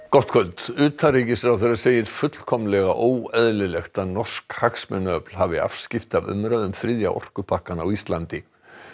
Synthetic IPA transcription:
kɔht̪̚kʰœlt̪ʏːt̪ʰariːcɪsɛɾawθɛɾḁseːjɪɾ̥fʏt̪l̥kʰɔmlɛɣaʔoːwɛðlɪlɛxt̪anɔr̥skhaxsmɛnœplhavɪa̰fscɪft̪ɪavʏ̰mɾaðʏmθɾɪðja̰ʔɔ̰r̥kʏpʰahkanawist̪lant̪ɪ

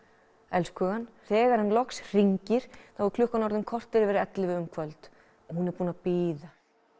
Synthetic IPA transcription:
ɛlskœːɣanθɛːɣaɾ̥hanlɔksr̥iɲcɪɾ̥θavɔɾkʰlʏhkanɔɾðʏmkʰɔr̥t̪ɪɾɪvɛːɾɪɛt̪lɪvɪʏmkʰvœlt̪ | ɔhunɛɾpuːnapiːða

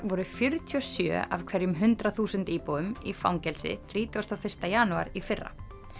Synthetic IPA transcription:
vɔɾʏfjʏɾt̪ʰiɔsjœ̰ːa̰vkʰv̥ɛɾjʏmɦʏnt̪ɾaθuːsʏnt̪iːpoːwʏmifa̰wŋcɛlsɪ̰θɾiːt̪ʰiast̪awfɪr̥t̪ajaːnua̰ɾifɪrːa̰

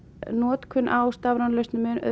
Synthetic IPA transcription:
nɔːt̪kʰʏnʔawst̪avɾanlœst̪nʏmɛnʔœ̰

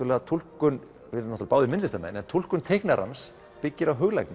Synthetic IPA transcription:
ɾlɛɣat̪ʰul̥kʏn | ɪɾnɔht̪alpaːwðɪmɪnt̪lɪst̪amɛ̰nɛnt̪ʰul̥kʏnt̪ʰejhknaɾa̰ns | pɪcːɪɾaɦʏɣla̰jknɪ

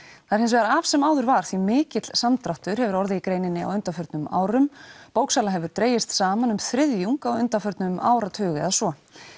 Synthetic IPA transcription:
θaɾ̥ɪnsvɛɾavsɛmaːwðʏɾvaɾ̥θvimɪːcɪt̪l̥samt̪ɾaht̪ʏɾ̥hɛvʏɾɔɾðɪikɾeːjnɪnːɪa̰wʏnt̪afœɾt̪nʏma̰ːwɾʏmpowksaːlaɦɛvʏɾt̪ɾeːjɪst̪saːmanʏmθɾɪðjuŋkawʏnt̪afœɾt̪nʏma̰ːwɾat̪ʰʏːɣɪɛ̰ðasvɔ

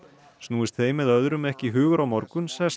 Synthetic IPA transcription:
snuːɪst̪θeːjmːɛðœðɾʏmɛhcɪɦʏːɣʏɾawmɔɾkʏnsɛs

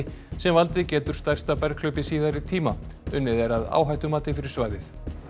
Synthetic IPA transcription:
sɛmvalt̪ɪcɛːt̪ʏɾ̥st̪ajrst̪apɛɾkʰlœːɥpɪsiːðaɾɪt̪ʰiːmaʏnːɪðɛɾaða̰ːwɦajht̪ʏmaːt̪ɪfɪɾɪɾ̥svaːjðɪθ

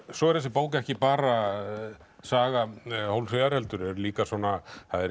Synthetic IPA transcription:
sɔɛɾθɛs̬ɪpaːwcɛhcɪpaːɾa | saːɣahowlseðaɾhɛlt̪ʏɾɛɾliːkaswɔnaθaðɛ

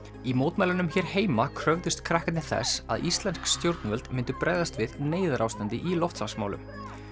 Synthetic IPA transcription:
imowt̪mɛjlanʏmçɛːɾheːjmakʰɾœvðʏst̪kʰɾahkt̪nɪθɛ̰sa̰ðist̪lɛnskst̪jowɾt̪nvœlt̪mɪnt̪ʏpɾɛːjðast̪vɪðneːjðʏɾawst̪ant̪ɪʔilɔft̪sansma̰ːwlʏ̰m

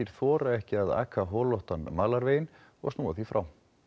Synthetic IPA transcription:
iɾ̥θvɔːɾaɛhcɪaða̰ːkʰaɦɔːlɔht̪anmaːlaɾveːjɪn | ɔɣsnuːaθifɾa̰w

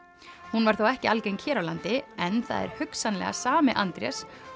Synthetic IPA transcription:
hunvaɾ̥θowɛhcɪalcejncʰɛːɾawlant̪ɪɛnθa̰ðɛ̰ɾ̥hʏksanlɛ̰ɣa̰saːmɪʔant̪ɾjɛ̰s

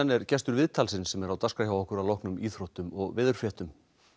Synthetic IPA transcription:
ɛnːɛɾ̥cɛst̪ʏɾvɪðt̪ʰalsɪnsɛmɛɾawt̪askaçjawɔhkʏɾawlɔhknʏmiːθɾot̪ʏmɔɣvɪːðʏɾ̥fjɛht̪ʏm

